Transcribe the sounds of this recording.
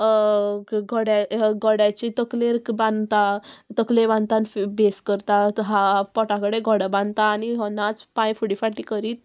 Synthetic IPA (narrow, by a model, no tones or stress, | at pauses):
ɡɔɽjaɡɔɽjat͡ɕit̪əkleɾbãnd̪t̪at̪əkleɾbãnt̪anfbeskəɾt̪aɦapɔʈãkəɽeɡʱɔɽabãnd̪t̪aːniɦɔnːat͡spãjfuɽifaʈikəɾiːt̪̚